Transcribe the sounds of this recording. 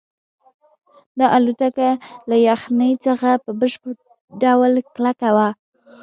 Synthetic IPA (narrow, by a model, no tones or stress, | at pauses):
d̪ɑʔalut̪akalajaxnəjt͡səxapəbəʃpəɾ | ɖawlklakawa